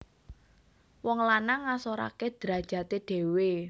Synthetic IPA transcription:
wɔŋlanaŋːasoɾa̰ked̪̥ɾa̤d̥ʒ̥a̤t̪eɖ̥e̤we

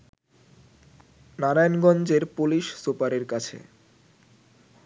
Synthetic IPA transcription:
naɾajnɡɔnd͡ʑeɾpuliʃsupaɾeɾkat͡ɕʰḛ

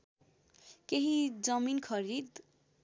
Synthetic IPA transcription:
keɦid͡zʌminkʰʌɾid̪

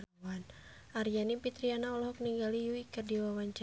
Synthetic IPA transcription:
wan | ʔarijanipit̪ɾianaɔlɔɦɔk̚niŋɡalijuikərdiwawaɲt͡ʃa

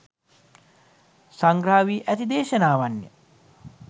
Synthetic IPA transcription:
saŋɡɾaːʋiːʔæt̪id̪eːʃənaːʋanjə̰

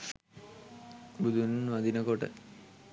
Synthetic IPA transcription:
bud̪ʱunʋɐd̪inɐkoʈə̰

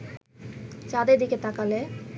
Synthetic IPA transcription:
t͡ʃad̪ed̪iket̪akale

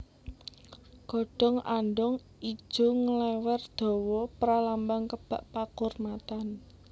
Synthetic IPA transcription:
ɡ̥ɔ̤ɖ̥ɔ̤ŋanɖʊŋ | i̥ʒ̥o̤ŋəlɛwɛrd̪̥ɔ̤wɔpɾalambaŋkəb̥a̤ʔpakʊrmat̪an

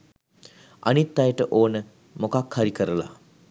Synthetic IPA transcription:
a̰nit̪ːajəʈəʔoːnə | mokakhaɾikəɾəla̰

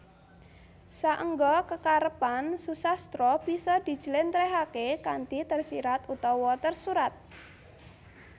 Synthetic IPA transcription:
saʔəŋɡɔkəkaɾəpansusast̪ɾɔb̥isɔd̪̥i̤̥d͡ʒ̥ə̤lɪnt̪ɾɛɦakekant̪it̪ərsiɾat̪ut̪ɔwɔt̪ərsuɾat̪̚

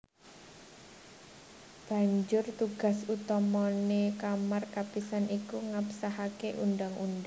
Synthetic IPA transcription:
b̥a̤ɲd͡ʒʊrt̪uɡ̥a̤sut̪ɔmɔnekamarkapisanikuŋapsaɦakeʔundaŋṵnd

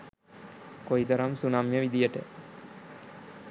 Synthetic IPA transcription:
koit̪ɐɾamsunamjəʋid̪ijəʈə

